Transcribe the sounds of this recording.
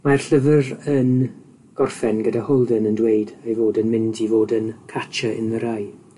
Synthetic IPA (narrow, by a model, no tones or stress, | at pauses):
marɬəvərən | ɡ̥ɔrfɛnɡədahɔlˠdənəndweɨdejvoːdənmɪndivoːdənkʰat͡ʃʰəɪnəɾaj